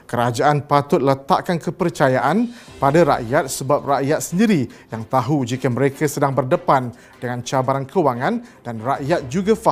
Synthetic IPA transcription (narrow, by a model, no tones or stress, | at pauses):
kəɾad͡ʒaʔanpat̪ʊt̪̚lət̪aʔkankəpərt͡ʃajaʔan | padaɾa̰ʔjat̪̚səbap̚raʔjat̪̚səndiɾijaŋt̪aɦud͡ʒikəmə̃ɾekasədaŋbərdəpan | dəŋãnt͡ʃabaɾankʰəwaŋãndanraʔjat̪̚d͡ʒuɡafa